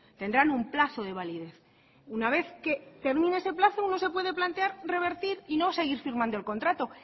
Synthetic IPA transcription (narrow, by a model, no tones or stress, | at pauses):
t̪e̞nd̪ɾanumplaθo̞ð̞e̞β̞aliðe̞θ | unaβ̞e̞θke̞t̪e̞ɾmĩneese̞plaθouno̞s̬e̞pwe̞ðe̞plant̪eaɾre̞β̞e̞ɾt̪iɾino̞se̞ɣ̞iɾfiɾmãnd̪oe̞lko̞nt̪ɾat̪o̞